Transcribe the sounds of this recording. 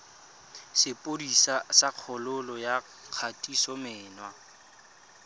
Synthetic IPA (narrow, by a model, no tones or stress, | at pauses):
sɪpʼodisasaq͡χʰɔlʊlɔja | q͡χʰatʼisɔmɪːnwa